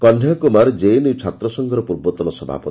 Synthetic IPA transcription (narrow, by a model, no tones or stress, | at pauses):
kɔnʱjakumaɾd͡ʒejnit͡ʃʰat̪ɾɔsɔŋɡʱɔɾɔpuɾbɔt̪ɔnɔsɔbʱa̰pɔ